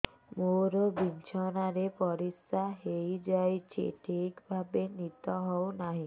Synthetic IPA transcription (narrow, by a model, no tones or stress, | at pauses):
moɾɔbint͡ʃʰɔnaɾepɔɾisaɦejd͡ʒajt͡ʃʰḭʈʰikbʱabenit̪ɔɦɔwnaɦĩ